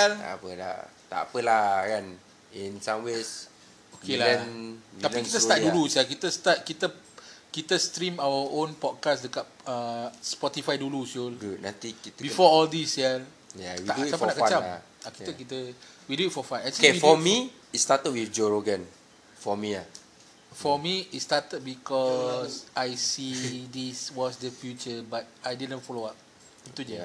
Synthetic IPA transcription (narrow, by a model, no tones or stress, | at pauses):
ɛla̰pəla̰t̪a̰ʔa̰pəlakan | ĩnsãmwes | okelaə̃nt̪alpĩkit̪əst̪at̚dulusalkit̪əst̪at̚kit̪ə | kit̪əst̪ɾĩmawəʔõnpɔt̚kasdəkat̚əspɔt̪ifajdulusuldunã̰nt̪ikit̪əbifɔɔldisɛl | jawiadamanakət͡ʃa | akiəkit̪əwiduit̚fɔfãnãikeifɔmi | it̚stat̪ət̚wifd͡ʒoɹoɡə̃n | fɔmia̰ | fɔmiit̚statət̚bikɔsʔajsidiswɔsdəfjut͡ʃəbat̚ajdidə̃nfɔloat̚ | it̪ud͡ʒɛ